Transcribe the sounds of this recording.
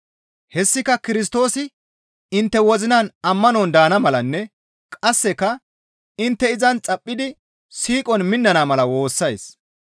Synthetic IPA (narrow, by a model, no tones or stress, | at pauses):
hɛsːɪkɐkɪɾɪs̬t̪o̞ːsɪ | ɪnt̪ːɛwɔzɪnɐnɐmːɐnɔnd̪aːnɐmɐlɐnːɛ | kʼɐsːɛkɐ | ɪnt̪ːɛɪzɐnt͡sʼɐpʼːɪd̪ɪ | siːkʼɔnmɪnːɐnaːmɐlɐwo̞ːsːɐjs